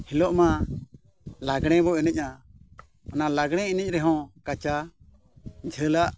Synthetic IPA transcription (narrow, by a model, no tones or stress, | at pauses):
hilɔʔma | laɡɽ̃ɛ̃bɔinəc̚ˀa | ɔnalaɡɽ̃ɛ̃inəc̚ˀɾɛɦɔ̃kat͡ʃa | d͡ʒʱəlaʔ